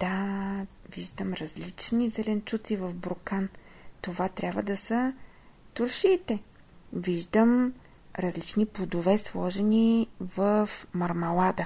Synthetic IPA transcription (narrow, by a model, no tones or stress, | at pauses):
d̪̥a | viʒd̪əmɾɐzlit͡ʃnizɛlɛnt͡ʃut̪sivəfbɾokan | t̪ovat̪ɾʲabvəd̪ɐsə | t̪ʊɾʃiːt̪ɛ | viʒd̪əm | ɾɐzlit͡ʃnipod̪ovɛslˠɔʒɛnivəfmɐɾmɐlˠad̪ə